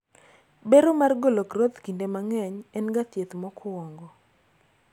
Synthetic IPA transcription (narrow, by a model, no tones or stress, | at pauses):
beɾomarɡolokrot̪kindemaŋɛɲɛnɡat̪jet̪mɔkʰɔwɔŋɡɔ